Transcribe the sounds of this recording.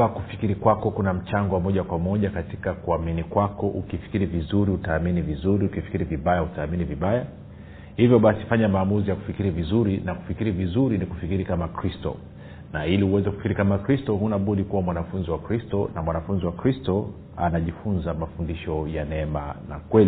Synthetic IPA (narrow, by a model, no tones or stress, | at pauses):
akufikiɾikwakɔkunam̩t͡ʃaŋɡɔwamɔʄakwamɔʄakati̥kakuaminikwakɔʔukifi̥kiɾivizuɾiutaːminivizuɾiukifi̥kiɾiviɓajautaːminiviɓaja | hivjɔɓasifaɲamaːmuzijaku̥fikiɾivizuɾinaku̥fikiɾivizuɾiniku̥fikiɾikamakɾistɔ̰ | nailiuwɛzɛkufi̥kiɾikamakɾistɔɦunaɓuɗikuwamwanafunziwakɾistɔnamwanafunziwakɾistɔ | anaʄifunzamafundiʃɔjanɛɛmana̰kwɛli